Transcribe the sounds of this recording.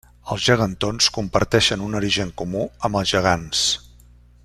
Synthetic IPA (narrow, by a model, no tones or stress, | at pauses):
əlˠzʒəɣ̞ənt̪onskumpəɾt̪ɛʃənunuɾiʒəŋkumuəmbəlˠzʒəɣ̞ans